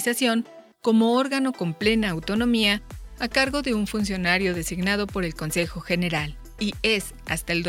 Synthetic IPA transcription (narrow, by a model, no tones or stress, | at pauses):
sasjo̞ŋ | ko̞mo̞oɾɣano̞ko̞mple̞naːwt̪o̞no̞miaːkaɾɣo̞ðe̞uɱfunsjo̞naɾjo̞ðe̞siɣnað̞o̞po̞ɾe̞lko̞nse̞xo̞xe̞ne̞ɾal | ie̞s | ast̪aeld̪